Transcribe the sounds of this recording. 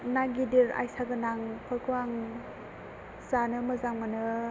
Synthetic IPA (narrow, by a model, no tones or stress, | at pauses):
naɡidiɾa̰jsaɡɯnaŋpʰəɾkʰɯwaŋ | zanɯmɯzaŋmanɯ